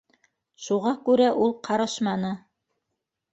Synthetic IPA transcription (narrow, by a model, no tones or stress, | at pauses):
ʃuʁɑkʉɾæʔulˠqʰɑɾɤ̆ʃmɑnɤ